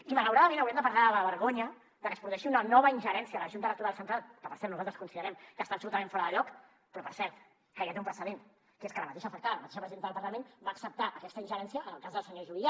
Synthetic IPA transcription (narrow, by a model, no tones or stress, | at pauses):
imələwɾaðəmẽnəwɾɛmd̪əpəɾlaðələβəɾɣoɲə | ðəkəsput̪ɛʃiunənɔβəinʒəɾɛnsiələʒunt̪əðləkt̪uɾalˠsənt̪ɾalˠkəpəɾsɛɾt̪nuzalˠt̪ɾəskunsiðəɾɛmkəst̪apsult̪əmẽɱfɔɾəðəʎɔk | pɾɔpəɾsɛɾt̪ | kəɣɛt̪umpɾəsəðen | keskələmət̪eʃəfək̚t̪aðələmət̪eʃəpɾəziðenðəlpɐɾləmenbaːksəp̚t̪aʔəkɛst̪əinʲʒəɾɛnsiəʔːnəlˠkazðəlˠsəɲoʒuβia